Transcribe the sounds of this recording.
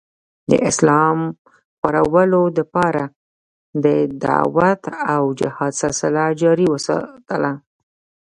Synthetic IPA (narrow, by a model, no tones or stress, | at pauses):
d̪ə̰ʔɪslɑm | paɾawəlod̪əpɑɾa | d̪əd̪a̰wat̪awd͡ʒɪhɑd̪salsɪlad͡ʒɑɾiwəsɑ̰t̪əla